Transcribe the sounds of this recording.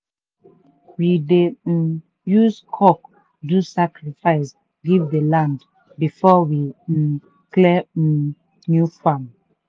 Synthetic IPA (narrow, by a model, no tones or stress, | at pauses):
wide | juzkʰɔk | dusakɹifaɪs | ɡivdəlãnd | bifɔwi | klɛ | njufãm